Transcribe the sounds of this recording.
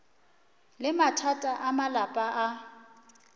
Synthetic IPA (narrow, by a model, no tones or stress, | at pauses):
lɪmatʰatʼaʔamalapʼaʔa